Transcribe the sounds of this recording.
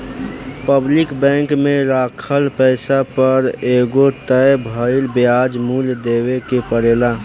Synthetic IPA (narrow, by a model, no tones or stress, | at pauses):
pəblɪkbɛ̃ːŋkmẽɾaːkʰəlpəɪsapəɾeɡot̪əjbʱəɪlbjad͡ʒmuːld̪eːwekepəɽeːla